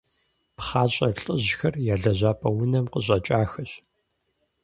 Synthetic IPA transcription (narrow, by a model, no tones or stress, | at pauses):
pχaːɕʼɐɬʼəʑxɐrjaːɮɐʑaːpʼɐwʊnɐmqəɕʼɐt͡ʃʼaːxɐɕ